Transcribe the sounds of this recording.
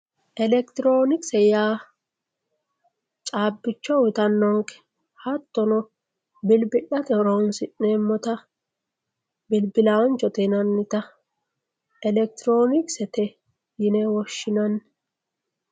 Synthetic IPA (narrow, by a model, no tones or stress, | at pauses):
ʔɛlɛkt̪ɪɾoːnɪksɛjaː | t͡ʃʼaːbːɪt͡ʃːɔwɪt̪ɐnːɔŋkɛ̥ | hɐt̪ːɔnɔ | bɪlbɪɗɐt̪ɛɾɔnsɪʔneːmːɔt̪ɐ | bɪlbɪlant͡ʃːɔt̪enɐnːɪt̪ɐ | ɛlɛk̚t̪ɪɾoːnɪksɛt̪ɛ | jɪnɛwɔʃːɪnɐnː